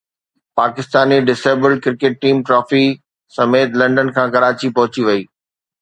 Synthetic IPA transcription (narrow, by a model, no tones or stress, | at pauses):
paːkɪst̪aːniɖɪseːbəlɖ̚kɪɾkeːʈ̚ːiːmʈɾɔːfi | sɐmeːt̪lɐ̃ɳɖənkʰãːkɐɾaːt͡ɕipɐɦʊt͡ɕiʋɐiː